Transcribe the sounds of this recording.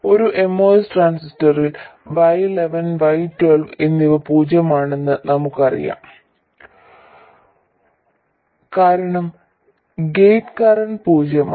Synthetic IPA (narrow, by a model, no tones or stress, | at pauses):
o̞ɾuʔe̞mːoːsʈraːnsistɐrilʋɐjleʋɐnʋɐjtwelʋenːiʋɐpuːd͡ʑjɐmaːɳe̞nːɨnɐmukːɨɐrḭja̰ːm | kaːɾɐɳɐm | ɡejtkarɐnpuːd͡ʑɐm